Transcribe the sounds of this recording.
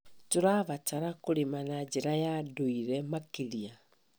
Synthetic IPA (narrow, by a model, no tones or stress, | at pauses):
toɾaβataɾakoɾemanad͡ʒeɾajadoiɾɛmakeɾia